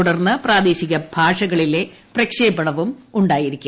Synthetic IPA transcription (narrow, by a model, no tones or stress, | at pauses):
uɽɐrnːɨpraːd̪e̞ːɕiɣɐbʱaːʂɐɣɐɭile̞ | prɐkʂeːbɐɽɐʋumuɳɖaːjiɾikʲː